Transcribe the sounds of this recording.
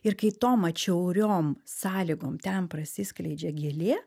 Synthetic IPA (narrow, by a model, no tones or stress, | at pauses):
ɪɾkɐɪt̪oːmɐt͡ʃʲɛʊɾʲoːmsɑːlʲɪɡoːmt̪ʲɛnpɾɐsʲɪsʲklʲɛɪd͡ʒʲɛɡʲelʲeː